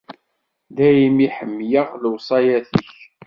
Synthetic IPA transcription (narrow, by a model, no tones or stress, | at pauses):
ðæjimiħəmːjəʁləwsˤɑjæθəç